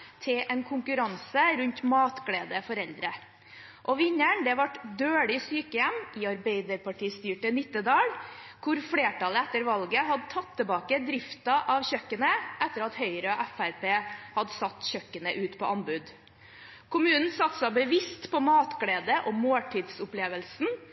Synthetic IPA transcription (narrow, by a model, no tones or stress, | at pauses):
t̪ʰɪʔɛnkʰʊŋkʉɾɑnsəɾʉɲt̪mɑːt̪ɡɽeːd̪əfɔɾɛld̪ɾə | ʔɔʋɪɲːəɳd̪ɛʋɑʈd̪øːɭɪsyːkəjɛmɪɑɾbeɪd̪əɾpʰɑʈʰiːst̪yːʈənɪt̪ːəd̪ɑːɽkʰʊɾfɽeːʈɑləɛt̪ːəɾʋɑlɡəɦɑd̪ət̪ʰɑt̪ʰːəbɑːkəd̪ɾɪft̪ɑʔɑʋɕœkːənəʔɛt̪ːəɾɑt̪hœʏɾəɔʔæfæɾpeːhɑd̪əsɑt̪ːçœkːənəʔʉːt̪pʰɔʔɑnbʉd̪ | kʰʊmʉːnn̩sɑt̪sɑbəʋɪst̪pɔmɑːt̪ɡɽeːd̪əʔɔmoːʈʰɪd̪sʊpleːʋəlsn̩